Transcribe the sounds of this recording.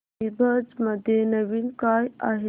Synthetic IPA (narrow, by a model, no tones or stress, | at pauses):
ibəd͡zməd̪ʱjenəʋinkaːja̰ɦe